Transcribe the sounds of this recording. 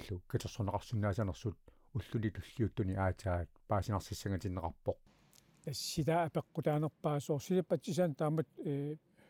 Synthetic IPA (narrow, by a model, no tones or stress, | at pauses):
ɬukit͡ʃeqsonɑʁɑqsunːaːsanɑqsut̪̚ | uɬːunit̪uɬːiut̪uniaːt͡ʃaːt̪̚paːsinɑsisiŋat͡ʃinʁɑ̰pːo̞q̚ | asːit̪aːpeqːot̪aːnoq̚paːsosilipat͡ʃːis̬ant̪amət̪̚e